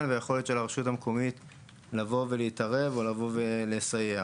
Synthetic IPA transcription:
nvejeχo̞let̪ʃelaʁʃutamkomit | lavo̞veliːtaʁe̞vo̞lavo̞velesaje

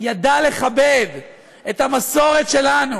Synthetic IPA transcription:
jad̪ale̞χabev | et̪hamaso̞ʁe̞t̪ʃelanu

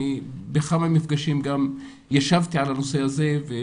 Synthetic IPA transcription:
ibexamamifɡaʃimɡam | jaʃavt̪iʕalanosehaze̞ve

